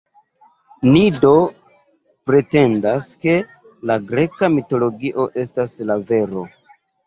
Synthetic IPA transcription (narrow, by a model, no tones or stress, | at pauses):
nido̞ | pɾe̞te̞ndaske̞ | laɡɾe̞kamito̞lo̞ɡiʔo̞ʔe̞staslave̞ɾo̞